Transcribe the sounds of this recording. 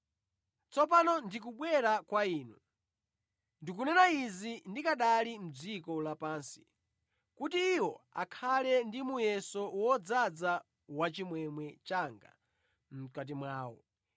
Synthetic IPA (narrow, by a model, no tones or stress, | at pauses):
t͡sɔpanɔndik̬uɓwɛɾakwaiːnu | ndik̬unɛnaizindikaɗalim̩d͡zikɔlapaːnsi̥ | kutiːwɔakʰalɛndimujɛsɔwɔd͡zad͡za | wat͡ʃimwɛmwɛt͡ʃaŋɡa̰ | m̩kat̬imwaːwɔ̰